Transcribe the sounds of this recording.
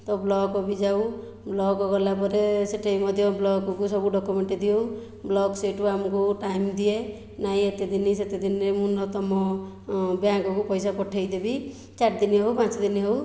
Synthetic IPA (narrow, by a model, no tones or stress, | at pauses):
t̪ɔblɔkɔbid͡ʒaw | blɔkɔɡɔlapɔɾeseʈʰeimɔd̪ʱjɔblɔɡkɔkusɔbuɖɔkumeɳʈid̪io | blɔɡseʈkuamɔkuʈajmd̪ie | naĩet̪ed̪iniset̪ed̪inɾemũnɔt̪ɔmɔ | bjakɔkupɔjsapɔʈʰejd̪ebi | t͡ʃaʈ̚d̪iniɦewpãt͡ʃɔd̪iniɦew